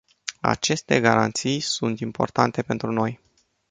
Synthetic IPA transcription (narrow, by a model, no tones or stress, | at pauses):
a̰t͡ʃe̞st̪e̞ɡaɾant̪sijsunt̪impo̞̰rt̪ant̪e̞pe̞nt̪ɾuno̞j